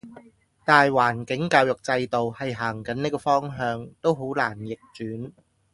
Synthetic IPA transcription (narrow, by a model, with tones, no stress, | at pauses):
t̪aː˨jwaː˨˩nkɪ˨˥ŋkaː˧wjʊ˨k̚t͡sɐ˧jt̪o˨whɐ˨jɦaː˨˩ŋkɐ˨˥niː˥kɔː˧fɔː˥ŋɦœː˧ŋt̪o˥wɦo˨˥wlaː˨˩njɪ˨k̚t͡ʃyː˨˥n